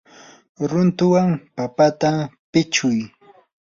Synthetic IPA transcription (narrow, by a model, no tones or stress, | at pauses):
ɾʊnt̪ʊwaŋpapat̪apɪt͡ʃʊj